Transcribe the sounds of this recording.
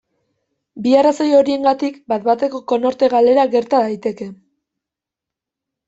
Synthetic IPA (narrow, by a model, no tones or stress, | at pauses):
biarasojo̞ɾie̞ŋɡat̪ikbat̪bat̪e̞ko̞ko̞no̞ɾt̪e̞ɣale̞ɾaɣe̞ɾt̪aðajt̪e̞ke̞